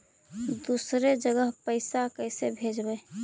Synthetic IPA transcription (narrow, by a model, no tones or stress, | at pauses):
d̪usɾed͡ʒəɡəɦpəɪsakəɪsebʱed͡ʒbə